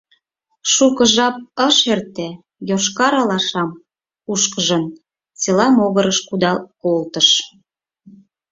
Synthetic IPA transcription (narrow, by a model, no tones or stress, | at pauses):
ʃukə̆ʒɑp̚əʃert̪e | joʃkɑɾɑlɑʃɑm | uʃkəʒən | t͡selɑmoɣəɾəʃkud̪ɑkolt̪əʃ